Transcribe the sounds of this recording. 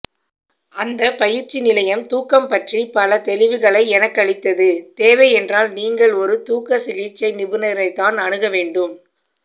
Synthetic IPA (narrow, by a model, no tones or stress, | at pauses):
ʔɐnd̪ɐpɐjɪɾt͡ʃːinɪlɐjɐmt̪uːkːɐmpɐʈripɐlɐt̪ɛlɪʋɯɣɐɭɐɪɛnɐkːɐɭɪt̪ːɐðɯt̪eːʋɐɪɛndraːlniːŋɡɐɭɔɾɯt̪uːkːɐsɪliːt͡ʃːɐɪnɪbɯnɐɾɐɪt̪ːaːnɐɳɯɣɐʋeːɳɖɯm